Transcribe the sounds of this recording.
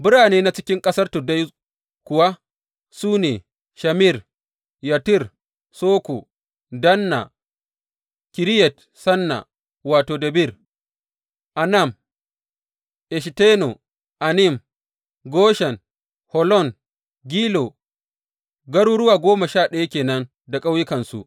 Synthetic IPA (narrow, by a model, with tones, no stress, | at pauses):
bɪ˦ɽaː˨neː˦na˦t͡ʃɪ̥˦kʲɪ˦ŋkʼɐ˦sɐ˦rtʊ˨da˦j | kʷʊ˨wa˦ | suː˦neː˨ | ʃa˨mi˦˨r | ja˨tɪ˦˨r | soː˦kṵ˨ | dɐ˦nːa̰˨ | kʲɪ˨ɾi˦jɛ˨t | sɐ˦nːa̰˨ | waː˨toː˨dɐ˨bi˦˨r | ʔa˨nɐ˦˨m | ʔɛ˨ʃ̬te˦no˨ | ʔa˨nɪ˦˨m | ɡoː˦ʃɛ˨n | hɔ˨lɔ˦˨ŋ | ɡʲiː˦lo˨ | ɡɐ˦ɽuː˦ɽʊ˦waː˨ɡʷoː˦ma˨ʃaː˦˨ɗɐ˦ja˦kʲeː˨nɐ˦n | da˨kʼa˦wjɪ˦kɐ˨nsṵ˨ʔ